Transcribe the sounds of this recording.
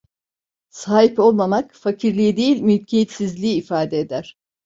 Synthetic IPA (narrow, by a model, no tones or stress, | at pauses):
saːɦipo̞lˠmamakfacʰiɾlʲijid̪ejilʲmylʲcʰejet̪sizlʲiiːfaːd̪eed̪æɾ̝̥